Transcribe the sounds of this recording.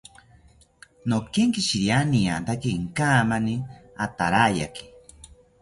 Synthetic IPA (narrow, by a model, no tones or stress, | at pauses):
nokeŋkiʃiɾjanija̰nt̪akiŋkaːmaniat̪aɾaja̰ki̥